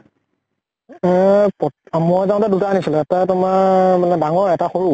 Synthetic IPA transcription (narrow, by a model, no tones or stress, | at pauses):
ɛpɔmɔzãʊ̃tadutaːnisilʊɛtatʊmaɹmanɛdaŋɔɹɛtaxoɹu